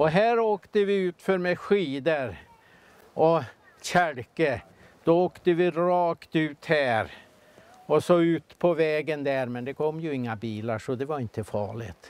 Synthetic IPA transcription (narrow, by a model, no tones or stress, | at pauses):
ɔɦæːɾoːkt̪əvɪʉ̟ːt̪fœɾmɛɧiːd̪əɾ | ɔ | ɕæɾkə | d̪̥ɔoːkt̪əvɪɾɑːkt̪ʉ̟ːt̪hæːɾ | ɔsɔʉ̟ːt̪pʰɔvɛːɡənd̪æːɾmɛnd̪ɛkʰɔmːjɵɪŋːabiːlaʂɔd̪ɛvaɾɪnt̪əfɑ̰ːɭɪ̰t̪